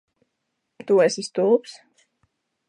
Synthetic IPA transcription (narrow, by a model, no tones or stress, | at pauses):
t̪uɛsist̪ulˠps